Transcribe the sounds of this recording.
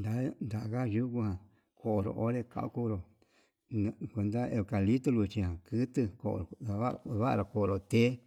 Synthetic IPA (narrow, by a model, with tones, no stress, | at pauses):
nd̪a˨nd̪a˨ʔka˦ʒu˦ku˧˦hã˨ | kʰo˨o˨ɾo̰˨ʔo˦ɾe˦ka̰˧ʔṵ˦ku˦ɾo˨˧ | kʷe˧nd̪a˦e˧ka˨li˦t̪ɨ˦lu˧˨t͡ʃĩ˧hã˨kɨ˦t̪ɨ˧ko̰˧˨ɾo˨a˧˦˧βa˦ʔa˨ko˨o˧ɾo˨t̪e˦